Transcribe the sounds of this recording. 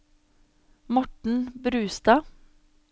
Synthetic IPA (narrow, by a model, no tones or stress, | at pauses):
mɔʈɳ̩bɾʉːst̪ɑː